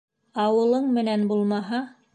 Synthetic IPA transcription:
ɑwɤ̆lˠɤɴmɘ̆nænbulˠmɑɦɑ

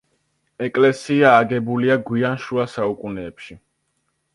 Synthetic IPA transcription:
ɛkʼlɛsiaːɡɛbuliaɡwianʃuasaukʼunɛːpʃi

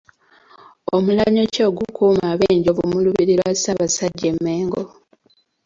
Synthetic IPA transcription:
omulaɲoco̞ːɡukʰuːmaβeːɲɟoβumuluβiɾilwasaβasaɟːe̞mːeːŋɡo

